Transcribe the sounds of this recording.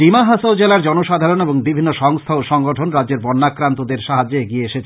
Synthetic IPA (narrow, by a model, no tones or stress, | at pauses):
imaɦasod͡ʑelaɾd͡ʑɔnoʃad̪ʱaɾoneboŋbibʱinːoʃɔŋst̪ʰaoʃɔŋɡoʈʰonɾadd͡ʑeɾbɔnːakːɾant̪od̪eɾʃaɦad͡ʑːoeɡieeʃet͡ɕʰ